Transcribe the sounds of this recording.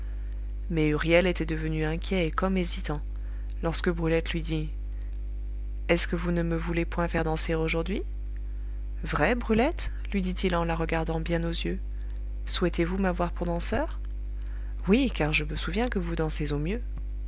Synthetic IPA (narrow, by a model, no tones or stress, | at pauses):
mɛyʁjɛlet̪ɛd̪əvənyɛ̃kʲjɛekɔmezit̪ɑ̃ | lɔʁskəbʁylɛt̪lɥid̪i | ɛskəvunəməvulepwɛ̃fɛʁd̪ɑ̃seʁoʒuʁd̪ɥi | vʁɛbʁylɛt̪ | lɥid̪it̪ilɑ̃laʁəɡaʁd̪ɑ̃bjɛ̃nozjø | swɛt̪evumavwaʁpuʁd̪ɑ̃sœːʁ | wikaʁʒəməsuvjɛ̃kəvud̪ɑ̃sezomjø